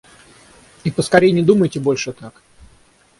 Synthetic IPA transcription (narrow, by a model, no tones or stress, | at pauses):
ipəskɐɾʲejɪnʲɪd̪uməjtʲɪbo̞lʲʂɨt̪ak